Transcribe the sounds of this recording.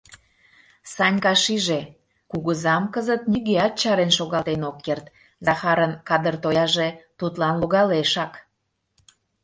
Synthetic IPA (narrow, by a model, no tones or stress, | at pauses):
sɑnʲkɑʃiʒe | kuɣəzɑmkəzət̪̚nʲiɣeɑt̪̚t͡ɕɑɾenʃoɣɑlt̪enokːert̪ | zɑxɑɾənkɑd̪ərt̪ojɑʒet̪ut̪lɑnloɣɑleʃɑk